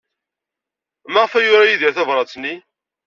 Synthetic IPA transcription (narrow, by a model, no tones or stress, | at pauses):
maʁəfæjʊɾajiðæθævɾˤɑt͡sːnːi